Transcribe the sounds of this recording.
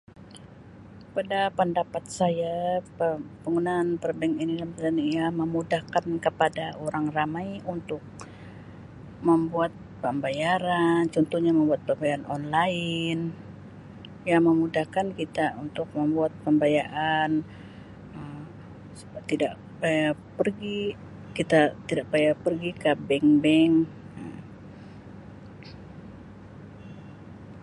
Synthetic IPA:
padapəndapat̪̚sajapəbəŋunanpərbɛŋinidanpəd̪anijaməmudahkankəpadaoɾaŋramajunt̪ʊk̚ | məmbuat̪̚pəmbajaɾant͡ʃɔnt̪uhɲaməmbuat̪̚pəmbajaanɔnlaɪn | jaməmudahkankit̪aunt̪ʊk̚məmbuat̪̚pəmbajaʔan | əm | t̪idaʔ | pajapərɡi | kit̪at̪idaʔ̚pajapərɡikəbɛŋbɛŋ | əm

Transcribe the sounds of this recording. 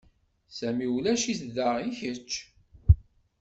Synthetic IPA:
sæmiulæʃiθðəʁiçət͡ʃː

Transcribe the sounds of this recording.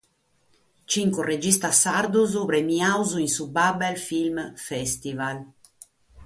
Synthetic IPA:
t͡ʃiŋkured͡ʒist̪asaɾd̪uzuβɾemiawzuinsubabɛlfilmfɛst̪ival

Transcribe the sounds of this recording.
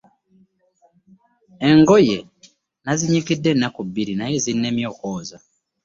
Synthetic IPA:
e̞ŋɡo̞je̞ | naziɲikidːe̞nːakubːiɾinaje̞zinːe̞ːmjo̞ːkoːza

